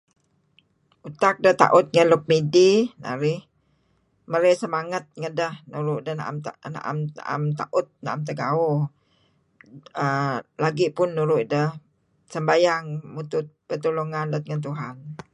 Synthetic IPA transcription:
ʔut̪ak̚dəht̪a̰ʔʊt̪̚ŋənlʊk̚midina̰ɾɪh | məɾɛsəmaŋət̪̚ŋədəhnuɾʊʔdəhna̰ʔa̰mana̰ʔa̰ma̰ʔa̰mt̪a̰ʔʊt̪̚na̰ʔamt̪̬əɡau | əlaɡipʊnːuɾʊʔdəh | səmbajaŋmut̪ʊt̪̚pət̪oloŋanlʊt̪̚ŋənt̪̬uɦan

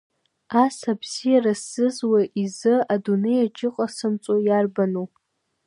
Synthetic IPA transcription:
asabz̥ijarasɨzwaʔizɨadune̞jad͡ʒʰʼɪqʼasɨmt͡sʼojarbanu

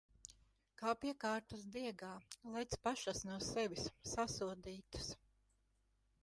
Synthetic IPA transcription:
kaːpiɛkaːɾt̪ɐsd̪iɛɡaːlˠɛjt̪spaʃasnuɔsɛʋʲisːasuɔd̪iːt̪ɐ̥s

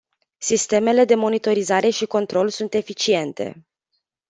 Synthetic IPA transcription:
sist̪e̞me̞le̞d̪e̞mo̞nit̪o̞ɾizaɾe̞ʃiko̞nt̪ɾo̞lsunt̪e̞fit͡ʃie̞nt̪e̞̰

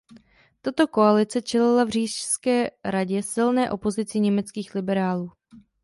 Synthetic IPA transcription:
t̪at̪o̞ko̞alɪt͡sɛt͡ʃɛlɪlavr̝iːʃskɛːɾaɟɛsɪlnɛːʔo̞po̞zɪt͡sɪɲɛmɛt͡skiːxlɪbɛɾaːluː

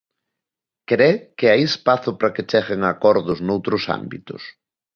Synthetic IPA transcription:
kɾɛkɪaispaθʊpɾɐket͡ʃɛɣeŋakɔɾðʊznowt̪ɾʊsa̰mbḭt̪ʊ̰s

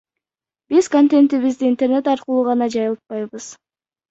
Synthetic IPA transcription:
bizkont̪ʲe̞nt̪iβizd̪iːnt̪e̞rne̞t̪ɑɾqəlˠuːʁɑnɑd͡ʒɑjɯlˠt̪̚pɑjβɯz̥

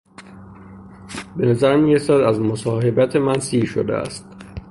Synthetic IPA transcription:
benæzæɾmiːɾesæd̪æzmosɒːɦe̞bæt̪ʰemænsiːʃod̪ḛæ̰st̪

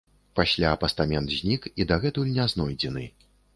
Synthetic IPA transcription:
pasʲlʲaːpɐst̪amʲɛnt̪zʲnʲikid̪ɐɣɛt̪ulʲnʲaznɔjd͡zʲɛnɨ

